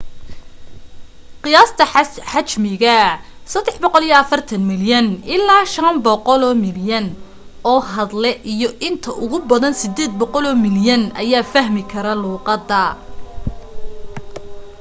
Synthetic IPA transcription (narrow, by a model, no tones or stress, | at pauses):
qɪjaːst̪ʰɐħɑt͡ʃmɪɣɐ | sɐd̪ːɛħbɔqɔlijɔɐfɐrt̪ʰɐnmɪljɐnɪlːaːʃɐnbɔqɔlɔːmɪljɐn | ɔːɦɐðlɛʔijɔʔɪnt̪ʰɐʔʊɣʊbɐðɐnsɪd̪ɛːd̪̚bɔqɔlɔːmɪljɐnɐjaːfɐɦmɪkʰɐɾɐluːqɑd̪ːɐ